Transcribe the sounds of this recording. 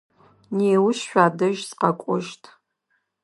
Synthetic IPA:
neːwʊɕʃʷᶣaːdɨʒsqɐkʷʼʊʒtʰʼ

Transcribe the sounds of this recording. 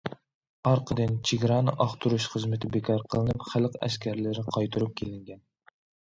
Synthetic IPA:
ɑɾqʰəd̪ɨnt͡ʃʰeɡʲɾɑnɨʔɑχt̪ʰuɾuʃχəzmɪt̪ʰɪbekʰɑɾqʰəlˠɨnɨpχælˠqæ̰ʃkʲʰæɾlɪɾɪqʰɑjt̪ʰuɾup̚kʲʰelɪŋɡʲɛn

